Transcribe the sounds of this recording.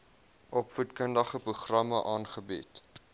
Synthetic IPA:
ʔɔpfutkəndɐχəpruχrɐməʔɑːnχəbit

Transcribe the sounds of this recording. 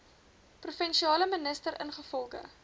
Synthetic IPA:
prufɛnʃiɑːləmənəstəɾə̰nχəfɔlˠχə̰

